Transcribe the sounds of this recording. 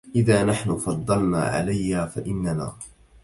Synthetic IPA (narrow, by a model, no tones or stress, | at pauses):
ʔɪðaːnaħnʊfɑd̪ˤːɑlna̰ːʕa̰lajːaːfaʔɪnːana̰ː